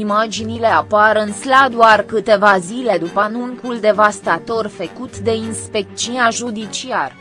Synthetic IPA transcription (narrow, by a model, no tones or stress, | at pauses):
imad͡ʒinile̞apaɾɨnslad̪uarkɨt̪e̞vazile̞d̪upanuŋkuld̪e̞vast̪at̪o̞rfekut̪d̪e̞inspe̞k̚t͡ʃunaʒud̪it͡ʃiar